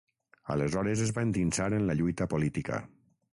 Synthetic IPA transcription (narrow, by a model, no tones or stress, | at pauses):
a̰lezɔɾezezβaent̪insaɾenlaʎujt̪apolit̪ika̰